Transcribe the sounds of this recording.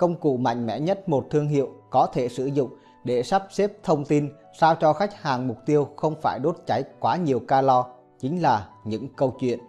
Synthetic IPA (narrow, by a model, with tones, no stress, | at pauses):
kə˧wŋ͡mkṵ˧˩˨ma̰˧˨jŋ̟mɛ̰˧˥ɲə˦˥t̚mo˨˩t̚t̪ʰɨ˧əŋɦḭ˧˨əwkɔ˨˦t̪ʰe˧˩sɨ̰˧˩zʊ̰˧˨ŋ͡m | ɗe˧˩sa˦˥p̚se˦˥p̚t̪ʰə˧wŋ͡mt̪i˧n | saː˧wt͡ɕɔ˧xa˦˥jk̟̚haː˨˩ŋmʊ˨˩k͡p̚t̪i˧əwxə˧wŋ͡mfaː˧˩jɗo˦˥t̚t͡ɕa˨˦jkwaː˨˦ɲi˨˩əwkaː˧lɔ˧ | t͡ɕï˨˦ŋ̟laː˨˩ɲɨ̰˧˥ŋkə˧wt͡ɕwḭ˧˨ən